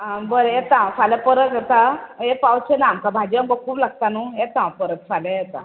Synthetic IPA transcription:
bəɾet̪ãfaləpəɾət̪et̪aepawt͡ɕenamkabʱad͡ʑiãbəkʰuːplaɡ̚t̪anuet̪ãpəɾət̪fʰalejet̪a̰

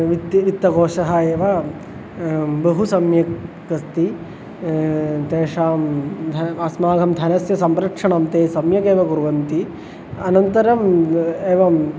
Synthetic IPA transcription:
ʋit̪ʋit̪ːɐɡoːʂɐɦɐeːʋɐ | bɐɦusɐmjɐkɐst̪i | t̪eːʂaːmd̪ɐɐsmaːɡʱɐmd̪ʱɐnɐsjɐsɐmɾɐkʂɐɳɐmt̪eːsɐmjɐkeːʋɐɡuɾʋɐnt̪i | ɐnɐnt̪ɐɾɐmeːʋɐ

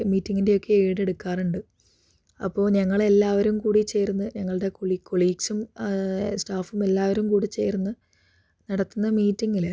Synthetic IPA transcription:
miːtːiŋːinde̞okːe̞eːɽe̞ɽukːaːruɳɖɨ | ɐ̰pːo̞ːɲɐŋːɐɭe̞lːaːʋɐɾumkuːɽit͡ɕːe̞ːɾunːɨɲɐŋːɐɭɨɽe̞koɭikːo̞ɭiːɡsum | sʈaːfume̞lːaːʋɐɾumkuːɽit͡ɕːe̞̰jɾunːɨ | nɐɽɐt̪ːunːɐmiːtːiŋɡile

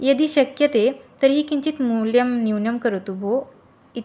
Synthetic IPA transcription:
jəd̪iːɕəkjət̪et̪əɾɦiːkiɲt͡ɕiːt̪muljəmniwnəmkəɾt̪ubʱo | i

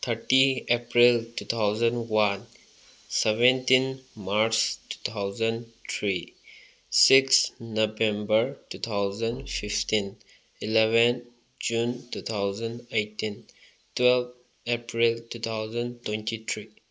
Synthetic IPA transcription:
t̪ʰəɾʈiepɾilʈut̪ʰaʊzə̃ɳɖwãn | sɛʋẽnʈĩnmaɾstu̥t̪ʰaʊzə̃ɳɖt̪ʰɾi | sɪksnobɛ̃mbəɾʈut̪ʰaʊzə̃nɖfɪfʈĩn | ɪlɛʋə̃n | d͡ʒũːntuːt̪ʰaʊzə̃ɳɖeɪʈĩn | twɛlʋ | epɾilʈuːt̪ʰaʊzə̃ɳɖtwẽnʈit̪ʰɾi

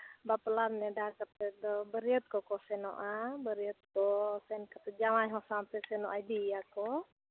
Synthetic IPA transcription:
baplamnɛdakat̪ɛd̪ɔbəɾiət̪̚kɔkɔsɛnɔ̰ʔabəɾiət̪̚kɔsɛnkat̪ɛd͡ʒamajɦɔsampɛsɛnɔʔajd̪ijakɔ

